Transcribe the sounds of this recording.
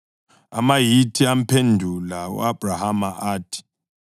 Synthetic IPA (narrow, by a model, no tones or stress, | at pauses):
a̰majitʰiam̩pʰendʱulaṵab̥ʱrahamaʔaːtʰi̥